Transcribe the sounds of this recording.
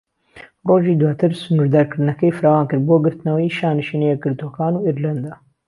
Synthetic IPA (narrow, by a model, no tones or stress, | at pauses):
roːʒiːd̪waːt̪ʰɨɾsʊnuɾd̪aːɾkɨɾnɐkɐjfɨɾaːwaːnkɨɾboɡɨɾt̪nɐwɐjʃaːnɨʃiːnejekɨɾd̪okaːnuːiɾlɐnd̪a